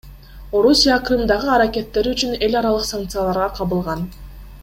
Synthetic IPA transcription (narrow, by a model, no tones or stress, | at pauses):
o̞ɾusʲijakrɨmd̪ɑʁɯɑɾakʲe̞t̪ːe̞ɾyt͡ʃyne̞lʲɑɾɑlˠɯqsaŋk̚t̪sɨjalˠɑɾʁɑqʰɑβɯlˠʁɑn